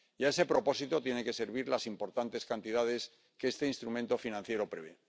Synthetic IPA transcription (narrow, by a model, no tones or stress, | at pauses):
jae̞se̞pɾo̞po̞sit̪o̞t̪je̞ne̞ke̞se̞ɾβiɾlasimpo̞ɾt̪ant̪e̞skant̪iðaðe̞s | keest̪e̞inst̪ɾumẽ̞nt̪o̞finãn̟θje̞ɾo̞pɾe̞βe̞